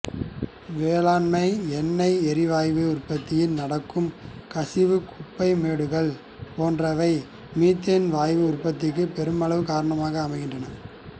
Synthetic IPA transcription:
ʋeːlaːnmɐɪɛnːɐɪɛɾɪʋaːjʋɯʊrpɐt̪ːɪjɪlnɐɽɐkːɯmkɐsɪʋɯkʊpːɐɪmeːɽɯɣɐɭ | poːndrɐʋɐɪ | miːt̪ɐnʋaːjʋɯʊrpɐt̪̬ːɪkːɯpɛɾɯmɐɭɐʋɯkaːɾɐɳɐmaːɣɐːmɐɪɣɪndrɐnɐ

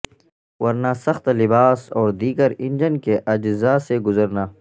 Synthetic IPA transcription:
wɐɾnasɐxt̪lɪbaːsɔːɾd̪iːɡəɾɪnd͡ʒənkeʔɐd͡ʒzaːseɡʊzəɾnaː

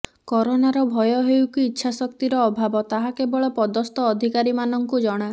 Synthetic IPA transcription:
kɔɾonaɾɔbʱɔjɔɦewkiːtːʃʰasɔkt̪iɾɔːbʱabɔt̪aɦakebɔɭɔpɔd̪ɔst̪ɔːd̪ʱikaɾimanɔŋkud͡ʒɔɽ̃a

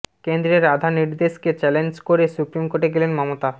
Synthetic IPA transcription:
kend̪ɾeɾad̪ʱaniɾd̪eʃket͡ɕɛlend͡ʑkoɾesupɾimkoʈeɡelenmɔmot̪a

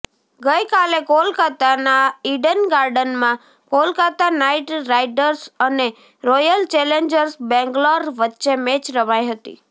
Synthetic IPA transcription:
ɡəjkalekolkat̪anaiɖənɡaɾɖənmã | kolkat̪anaiʈɾajɖəɾsəne | ɾojəlt͡ʃɛleɲd͡ʒəɾsbɛ̃ŋɡlɔɾʋətːʃemet͡ʃɾəʋajɦət̪ḭ

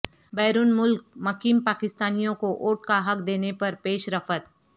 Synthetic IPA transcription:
bɛːɾuːnmʊlk̚mɐkiːmpaːkɪst̪aːnijõkoʔoːʈkaɦɐkd̪eːnepɐɾpeːʃɾɐfət̪̚

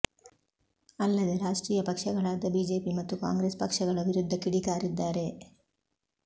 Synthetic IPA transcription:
ɐlːɐd̪e̞ɾaːʂʈɾiːjɐpɐkʂɐɡɐɭaːd̪ɐbiːd͡ʒe̞ːpimɐt̪ːuka̰ːŋɡɾespɐkʂɐɡɐɭɐʋiɾud̪ʱːɐkiɽikaːɾid̪ːaːɾe̞

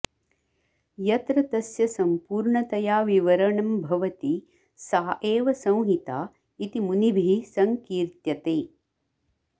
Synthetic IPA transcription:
jɐt̪ɾɐt̪ɐsjɐsɐmpuːɾɳɐt̪ɐjaːʋiʋɐɾɐɳɐmbʱɐʋɐt̪i | saːʔeːʋɐsɐ̃w̃ɦit̪aː | it̪imunibʱisɐŋkiːɾt̪jɐt̪eː

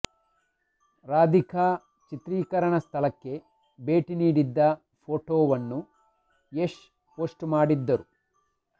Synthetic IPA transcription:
ɾaːd̪ikʰaː | t͡ʃit̪ɾiːkɐɾɐɳɐst̪ʰɐlɐkːe̞ | be̞ːʈiniːɽid̪ːɐ | pʰoːʈoːʋɐnːu | eːʂ | poːsʈmaːɽid̪ːɐɾu

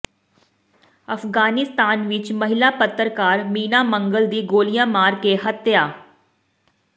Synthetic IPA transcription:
əfɡaːnɪst̪aːnʋɪt͡ʃməɦɪlapət̪ːɾkaːɾmiːnaːmə̃ŋɡəld̪iːɡoːlijãmaːɾkeɦət̪jaː

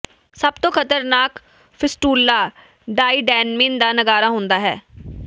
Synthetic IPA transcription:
səbt̪õːkʰət̪əɾnaːk | pʰɪsʈuːlːaː | ɖaːiːɖɛːnmɪnd̪aːnəɡaːɾaːɦʊ̃ːnd̪aːɦɛ̰ː

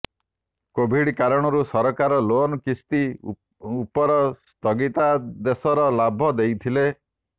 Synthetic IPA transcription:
kobʱiɽkaɾɔɽ̃ɔɾusɔɾɔkaɾɔlonɔkist̪i | upɔɾɔst̪ʰɔɡit̪ad̪esɔɾɔlabʱɔd̪ejt̪ʰile

